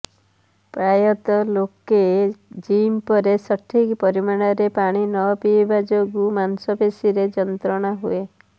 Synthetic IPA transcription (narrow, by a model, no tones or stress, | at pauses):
pɾajɔt̪ɔloked͡ʒimpɔɾesɔʈʰikpɔɾimaɽ̃ɔɾepaɽ̃inɔpiebad͡ʒoɡumansɔbesiɾed͡ʒɔnt̪ɾɔɽ̃aɦṵe